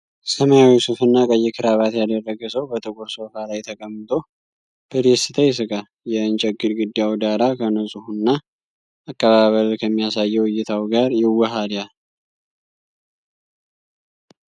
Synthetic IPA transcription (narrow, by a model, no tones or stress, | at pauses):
səmajawisufɨnːakʼəjːɪkʰɨɾaβat̪jad̪ərːəɡɨsəwbət̪ʼɨkʼuɾso̞falajt̪ʰəkʼəmːɨt̪ʼo̞ | b̥əd̪esɨt̪ʰəjsɨkʼa | jɛɨnt͡ʃʼɛɡːɨɾɡɨd̪ːjawd̪aɾakʰənəsʼuhunːa | akʼːəβaβəlkʰəmːijasajːɛwʊjːɪt̪ʰawɡaɾjɪwːɔɦaljal